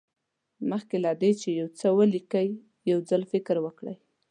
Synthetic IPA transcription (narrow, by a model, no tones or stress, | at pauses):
məxkelad̪et͡ʃejawt͡səwəlikəj | jawd͡zalfɪkɾwəkɽə̰j